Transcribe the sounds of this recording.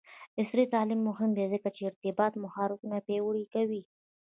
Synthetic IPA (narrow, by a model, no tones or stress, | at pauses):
ɪsɾit̪ɑlimːʊɦɪmd̪ezəkat͡ʃeɪɾt̪ɪbɑt̪mʊxɑɾɪkunapewɽikawi